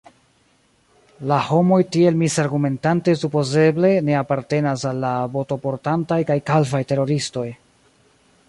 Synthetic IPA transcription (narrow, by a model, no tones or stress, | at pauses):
laho̞mo̞jtie̞lmisaɾɡume̞ntante̞supo̞ze̞ble̞ne̞apaɾte̞nasalːavo̞to̞po̞ɾtantajkajkalvajte̞ɾo̞ɾisto̞j